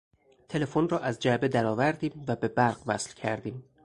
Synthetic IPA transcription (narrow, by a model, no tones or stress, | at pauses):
t̪ʰe̞le̞fonrɒːʔæzd͡ʒæbe̞d̪æɾɒːvæɾd̪iːmvæbe̞bæɾɢvæ̰slcʰæɾd̪iːm